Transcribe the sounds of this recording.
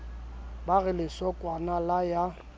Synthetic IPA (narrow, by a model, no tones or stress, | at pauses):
baɣɪlɪsɔkʼwanalaja